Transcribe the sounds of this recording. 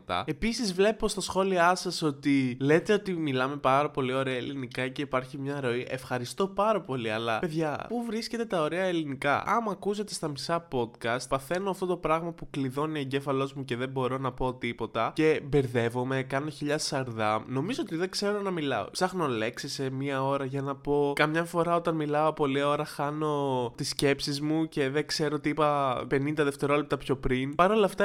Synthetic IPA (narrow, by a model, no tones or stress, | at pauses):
t̪ɐ̰e̞pisizvle̞po̞st̪ɐsxo̞liɐsɐso̞t̪ile̞t̪e̞o̞t̪imilɐme̞pɐɾɐpo̞lio̞ɾeɐelinikɐce̞ipɐɾçimɲɐɾo̞iʔe̞fxɐɾist̪o̞pɐɾɐpo̞liɐlɐpe̞ðʝɐpuvɾisce̞t̪e̞t̪ɐo̞ɾe̞ɐelinikɐ̰ɐmuɐkuzet̪e̞st̪ɐmisɐpo̞d̪kɐst̪̚pɐθe̞noɐft̪o̞t̪opɾɐɣmɐpukliðo̞nieɲɟe̞fɐlo̞zmuce̞ðe̞bo̞ɾo̞nɐpo̞t̪ipo̞t̪ɐce̞be̞ɾðe̞vo̞me̞kɐno̞çiʎɐsɐɾðɐmno̞mizo̞ot̪iðekse̞ɾo̞nɐmilɐ̰o̰sɐxno̞le̞ksesemiɐo̞ɾɐʝɐnɐpo̞kɐmɲɐfo̞ɾɐo̞t̪ɐnmilɐo̞po̞liɐo̞ɾɐxɐno̞t̪isce̞psizmuce̞ðekse̞ɾot̪iipɐpe̞nind̪ɐðeft̪e̞ɾo̞lep̚t̪ɐpço̞pɾinpɐɾo̞lɐft̪ɐ